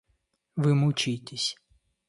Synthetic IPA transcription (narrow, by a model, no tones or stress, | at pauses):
ʋɪmʊt͡ʃɪjt̪ʲesʲ